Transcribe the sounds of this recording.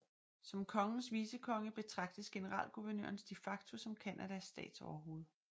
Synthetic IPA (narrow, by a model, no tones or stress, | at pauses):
sɒ̽mkʰɒ̽ŋn̩sʋiːsəkʰɒ̽ŋəb̥e̝t͡sʰʁɑ̈ɡ̥d̥əsɡ̥e̝nəʁɑ̰̈ːl̰ɡ̥uʋɐnø̰ɐnsd̥efɑ̈ɡ̥t͡sʰo̝sɒ̽mkʰænʔæd̥æsːd̥ɛ̰ːd̥sɒʊɐɦo̝ːð̞̩ˠ